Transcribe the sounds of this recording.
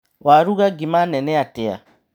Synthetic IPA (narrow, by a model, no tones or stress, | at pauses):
waɾuɣaɡimanɛnɛatɛa̰